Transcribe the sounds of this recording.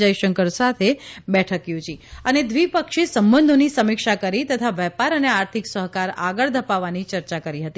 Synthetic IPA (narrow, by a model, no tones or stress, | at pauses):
ajʃəŋkəɾsat̪ʰebɛʈʰəkjud͡ʒiəned̪ʋipəkʃesəmbənd̪ʱonisəmikʃakəɾit̪ət̪ʰaʋɛpaɾəneaɾt̪ʰiksəɦkaɾa̰ɡəɭd̪ʱəpaʋanit͡ʃəɾt͡ʃakəɾiɦət̪i